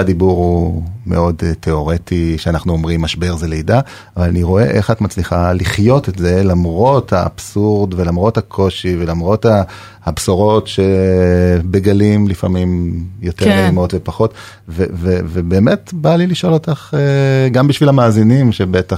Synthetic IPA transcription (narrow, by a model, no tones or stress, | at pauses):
adibuʁumḛo̞dtʰe̞o̞ʁetiʃeanaχnuomʁimːaʃbe̞ʁzelejda | avalaniʁo̞e̞̰ʔeχatmat͡sliχaliχjo̞tetze̞lamʁo̞tha̰ːb̥suʁdvelamʁo̞thakʰo̞ʃive̞lamʁo̞taː | bsoʁo̞tʃe̞ | beɡalimlifa̰mimjo̞teʁmeimo̞tvepaχo̞t | vevevebe̞ːmetbaliliʃo̞lo̞taχeɡambiʃvilamaːzinimʃebeta